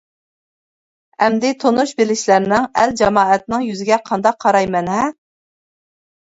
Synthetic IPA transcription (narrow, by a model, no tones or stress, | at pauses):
ɛmd̪ɪt̪ʰonuʃbelɪʃlæɾnɪŋæld͡ʒɑmɑːɛt̪̚nɪŋjyzɪɡʲɛqʰɑnd̪ɑq̚ʰːɑɾɑjmɛnɦɛ